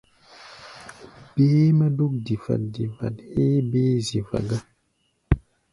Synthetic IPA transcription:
b̥eː˦mə˦du˦k̚di˨fa̰˨t̚di˨fa̰˨t̚he˦beː˦zi˨va̰˨ɡa˦

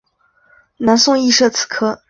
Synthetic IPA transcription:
na˧˥nsʊ˥˧ŋi˥˧ʂɤ˥˩t͡sʰɹ̩̥˨˩kʰɤ˥

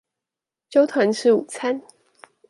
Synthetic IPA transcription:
t͡ɕjo˥ʊt̪ʰwa˧˥nʂɻ̩˥˩u˨˩t͡sʰa˥n

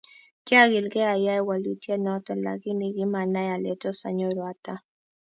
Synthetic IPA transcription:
ki˦a˦ɣɪ˨lɡɛ˦a˨ja˦ɛ˦wa˨lu˨tja˦nɔ˦tɔ˨la̰˨ki˦ni˨ɡɪ˦ma˨na˦ja˨lɛ˨tɔ˦sa̰˨ɲɔ˦ɾwa˨ta˦

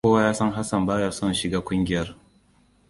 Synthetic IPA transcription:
oː˦wa˦jaː˦sɐ˦ŋɦa˦sɐ˨mbaː˦jɐ˨sɔ˦nʃɪ˨ɡaː˦kʷʊ˦ŋɡʲɪ˦jɐ˦r

